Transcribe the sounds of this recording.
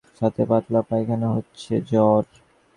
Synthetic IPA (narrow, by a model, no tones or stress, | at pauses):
ʃat̪ʰebat̪lapajkʰaneɦotːɕʰed͡ʑɔɾ